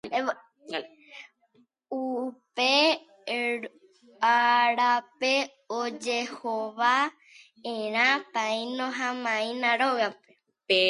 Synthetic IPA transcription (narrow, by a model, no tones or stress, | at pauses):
upe | aɾape | od͡ʒehoʋa | ẽɾ̃ãt̪ãĩnõɦãmãĩnãɾoɣape